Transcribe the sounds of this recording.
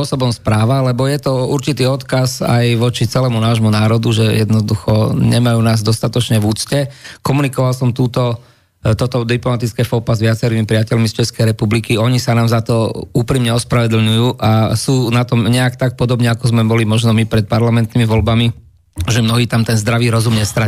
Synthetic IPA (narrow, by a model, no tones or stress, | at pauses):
ɔsɔbɔmspɾaːʋalɛbɔjɛt̪ɔuɾt͡ʃit̪iːɔt̪kaza̰jʋɔt͡ʃit͡sɛlɛːmunaːʒmunaːɾɔd̪uʒɛjɛd̪nɔd̪uxɔ̰ɲɛmajuːnaːzd̪ɔst̪at̪ɔt͡ʃɲɛvuːt͡scɛkɔmunikɔʋalsɔmt̪uːt̪ɔ | t̪ɔt̪ɔd̪iplɔmat̪it͡skɛːfɔpazʋɪat͡sɛɾiːmipɾɪacɛʎmist͡ʃɛskɛjɾɛpublikiɔɲisanaːmzat̪ɔuːpɾiːmɲɛɔspɾaʋɛd̪l̩ɲujuːʔasuːnat̪ɔmɲɛakt̪ak̚pɔd̪ɔbɲɛakɔzmɛbɔlimɔʒnɔmipɾɛt̪̚paɾlamɛnt̪nimiʋɔlbami | ʒɛmnɔɦiːt̪amt̪ɛnzd̪ɾaʋiːɾɔzumɲɛst̪ɾa